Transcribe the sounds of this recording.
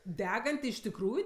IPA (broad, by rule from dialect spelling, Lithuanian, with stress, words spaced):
ˈdʲæːɡɐnʲtʲɪ ɪʃ tʲɪkˈruːjʊ